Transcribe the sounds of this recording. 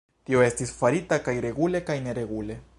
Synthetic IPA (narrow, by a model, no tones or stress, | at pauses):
t̪ioe̞st̪isfaɾit̪akajɾe̞ɡule̞kajne̞ɾe̞ɡule̞